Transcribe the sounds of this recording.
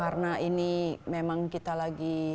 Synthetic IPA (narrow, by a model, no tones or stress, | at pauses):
aɾnaʔinimemaŋkit̪alaɡi